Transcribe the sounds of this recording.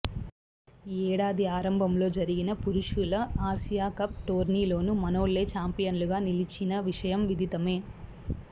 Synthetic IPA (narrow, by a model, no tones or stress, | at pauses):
ɛːɽaːd̪iaːɾɐmbʱɐmlo̞ːd͡ʒɐɾiɡinɐpuɾuʂulɐaːʃijaːkɐp̚ʈoːɾniːlo̞ːnumɐno̞ːlːe̞ːt͡ʃaːmpijɐnluɡaːnilit͡ʃːinɐʋiʂɐjɐmʋid̪ʱit̪ɐme̞ː